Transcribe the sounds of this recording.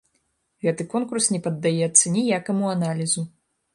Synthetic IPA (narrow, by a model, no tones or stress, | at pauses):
ɣɛt̪ɨkɔnkursnʲɛpɐd̪ːajɛt̪sːɐnʲijakɐmuanalʲizu